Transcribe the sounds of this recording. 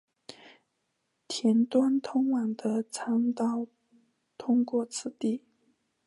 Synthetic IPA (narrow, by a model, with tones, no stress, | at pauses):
t̪ʰjɛ˧˥nt̪wa˥nt̪ʰʊ˥ŋwɑ˨˩ŋd̪ə˦t͡sʰɑ˥ŋt̪ɑ˥˩ʊ | t̪ʰʊ˥ŋkwɔ˥˧t͡sʰɹ̩˥˧t̪i˥˩